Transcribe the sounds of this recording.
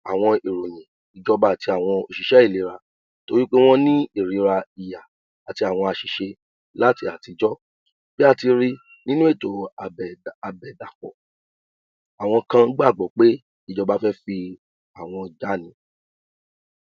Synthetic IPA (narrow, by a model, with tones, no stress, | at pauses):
a˨w̃ɔ̃˧e˨ɾo˨j̃ɛ̃˨ | i˨d͡ʒɔ˧ba˧˦˨ti˧˦a˨w̃ɔ̃˧o˨ʃi˨ʃɛ˦i˦˨le˨˦ɾa˧ | to˦ɾi˦k͡pe˦w̃ɔ̃˦nĩ˦e˦˨ɾi˨˧˦ɾa˧i˨jaː˨ | ti˧˦a˨w̃ɔ̃˧a˨ʃi˨ʃe˧ | la˦ti˧a˨ti˨˧d͡ʒɔ˦ | b̥i˦a˧ti˧ɾi˦ | nĩ˦nũ˦e˦˨to˨˦˨ | a˨bɛ˨da˨kɔ̰˨ | a˨w̃ɔ̃˧kã˧˦ɡ͡ba˦˨ɡ͡bɔ˨k͡pe˦ | i˦˨d͡ʒɔ˧ba˦fɛ˦fi˧ | a˨w̃ɔ̃˧d͡ʒa˨˦nĩ˦